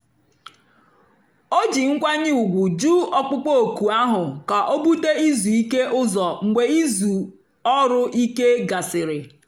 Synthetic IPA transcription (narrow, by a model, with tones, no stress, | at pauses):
o˦d͡ʒi˨ŋ̩˦kʷa˦ɲɪ˦u˨ɡʷʊ˨d͡ʒuː˦ɔ˦k͡pʊ˦k͡po˦o˨ku˨a˦ɦʊ˨ka˨ʔo˦bu˦te˦i˦zu˨i˦ke˦ʔʊ˦zɔ˨ŋ̩˨ɡ͡be˨i˦zu˨ | ɔ˦ɾʊ˦ʔi˦ke˦ɡa˨sɪ˨ɾɪ˨